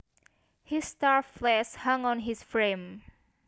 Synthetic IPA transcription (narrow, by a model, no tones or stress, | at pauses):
histaɹflɛshãŋɔ̃nɦisfɹẽm